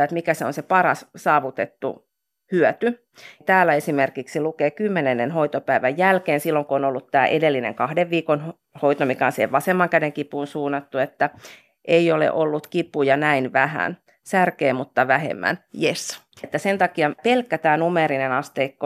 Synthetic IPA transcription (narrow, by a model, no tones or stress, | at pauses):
et̪mikæseonsepɑɾɑssɑːʋut̪et̪ːṵ | hyœt̪y | t̪æːlːæesimerkiksilukeːkymːenenːenhoit̪opæiʋæjjælkeːnsilːoŋkoonolːut̪t̪æːʔedelːinḛŋkɑhdeʋʋiːkon | hoit̪omikɑnsḛʋɑsemːɑŋkædeŋkipuːnsuːnːɑt̪ːuet̪ːæ | ʔeiolḛʔolːut̪kipujɑnæinʋæhæ̰n | særkeːmut̪ːɑʋæhḛmːæ̰njes | et̪ːæsent̪ɑkiɑpelkːæt̪æːnumeɾinenɑst̪eikːo